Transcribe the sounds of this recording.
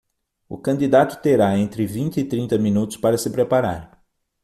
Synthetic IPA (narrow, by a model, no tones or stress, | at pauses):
ʊ̰kɐ̃nd̪id̪at̪ʊ̥t̪eɾaẽnt̪ɾɪvĩnt̪ɪːt̪ɾĩnt̪ɐmĩnut̪ʊspaɾɐsɪpɾepaɾa̰ɾ